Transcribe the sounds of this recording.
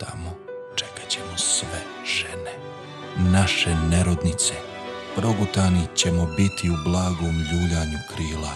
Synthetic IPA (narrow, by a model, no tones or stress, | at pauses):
t̪ʰamo | t͡ʃekḁt͡ɕe̞mosʋe | ʒ̥ene | naʃe̞neɾod̪nit̪se | pɾo̞ɡot̪aːnit͡ɕe̞mo̞bit̪iublˠaːɡo̞ːmjuːʎaːɲukɾiːla